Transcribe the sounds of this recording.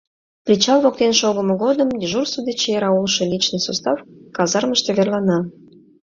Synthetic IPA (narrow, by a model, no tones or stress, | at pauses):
prʲit͡ɕɑlˠβok̚t̪enʃoɣəmə̆ɣod̪əmiʒursud̪et͡ɕjeɾɑulʃɤ̆lʲit͡ɕnəsost̪ɑfkɑzɑrməʃt̪eβerlˠɑnɑ